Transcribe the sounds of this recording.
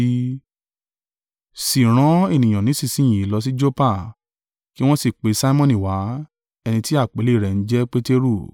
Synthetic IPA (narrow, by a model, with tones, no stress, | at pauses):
si˨ɾ̃ã˨˦e˦˨nĩ˨j̃ã˨nĩ˨˦si˦˧˨sĩ˦ĩ˨i˨lɔ˧s̬i˦d͡ʒo˦pa˦˨ | ki˦w̃ɔ̃˦si˦˨k͡pe˨˦sa˦i˦mɔ̃˦˨nĩ˨wa˨˦ | ɛ˧nĩ˧ti˦a˦˨k͡pe˨˦le˦˨ɾɛ˨n̩˦d͡ʒɛ˦k͡pe˦te˦ɾu˦˨